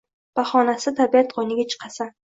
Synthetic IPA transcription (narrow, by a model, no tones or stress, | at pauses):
b̥aχɒnasɪt̪ʰabiat̪qonɪɡʲat͡ʃʰɨ̥qʰɑsa